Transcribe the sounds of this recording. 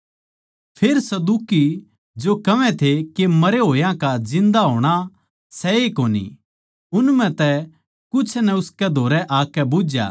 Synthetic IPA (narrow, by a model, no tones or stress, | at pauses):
pʰeːɾsɐd̪uːki | d͡ʒokɐʋɛ̃t̪ʰekemɐɾeɦoːjãkad͡ʒɪ̃nd̪aɦoːɽ̃a | sɛekoːnḭ | ʊnmɛ̃t̪ɛ | kʊt͡ʃʰnɛʊskɛd̪ʱoːɾɛʔaːkɛbʊd͡ʒja̰ː